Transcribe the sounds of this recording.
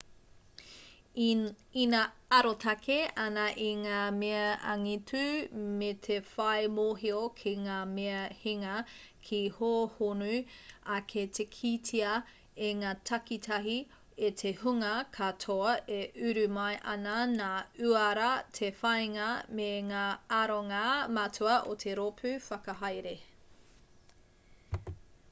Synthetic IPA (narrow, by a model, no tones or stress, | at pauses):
inaɐɾotʰɐkʰeɐnɐʔiŋaːmeɐɐŋitʰʉmetʰefɐjmoɦiokʰiŋaːmeɐhiŋɐ | kʰihoːhonʉɐkʰetʰekʰitʰiɐ | eŋaːtʰɐkitʰɐɦi | etʰehuŋɐkʰatʰoɐeʔʉɾʉmɐjʔɐnɐnaːʉɐɾɐtʰefɐjŋɐmeŋaːaɾoŋamɐtʰuɐʔotʰeɾopʰʉfɐkɐɦɐjɾe